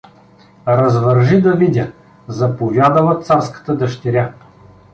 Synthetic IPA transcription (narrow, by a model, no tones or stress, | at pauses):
ɾɐzvɐɾʒid̪ɐvid̪ʲə | zɐpovʲjad̪əlˠət̪saɾskə̥t̪əd̪ɐʃt̪ɛɾʲa